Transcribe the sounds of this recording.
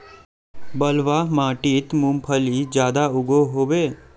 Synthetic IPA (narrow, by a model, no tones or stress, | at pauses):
bəlʋaːmãːʈiːt̪mũmpʰəlid͡ʒjaːd̪aʊɡoɦoːʋeː